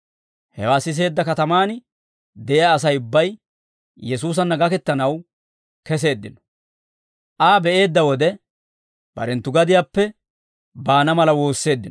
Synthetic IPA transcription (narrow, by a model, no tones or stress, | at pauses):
hɛ̰waːsɪs̬e̞ːd̪ːɐkɐt̪ɐmaːn | d̪ɛʔɪjaːs̬ɐjʊbːɐj | jɛsuːs̬ɐnːɐɡɐkɛt̪ːɐnɐw | kɛs̬e̞ːd̪ːɪnɔ̥ | ʔaːbɛʔe̞ːd̪ːɐwɔd̪ɛ | b̥ɐ̰ɾɛnt̪ːʊɡɐd̪ɪjaːpːɛ | baːnɐmɐlɐwo̞ːsːe̞ːd̪ːɪnɔ